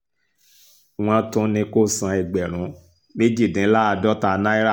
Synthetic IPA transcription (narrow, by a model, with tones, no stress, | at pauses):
w̃ɔ̃˧˦tũ˦nĩ˧ko˦˨sã˧i˨ɡ͡bɛ˨ɾ̃ũ˨˦ | me˦d͡ʒi˦˨dĩ˨˦la˦a˧dɔ˦ta˧nã˦i˦ɾa˦˨